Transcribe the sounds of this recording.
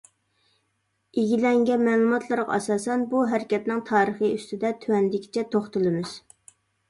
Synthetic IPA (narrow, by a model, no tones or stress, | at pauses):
eɡʲilɛŋɡʲɛnmɛlˠumɑt̪ʰlˠɨɾʁɑ̰ɑsɑːsɛnbuɦæɾɪkʲɛt̪nɪŋt̪ʰɑːɾəχiyst̪ɪd̪ɛt̪ʰywɛnd̪ɪkʲʰi̥t͡ʃʰɛt̪ʰoχt̪ɨlˠɨmɪz̥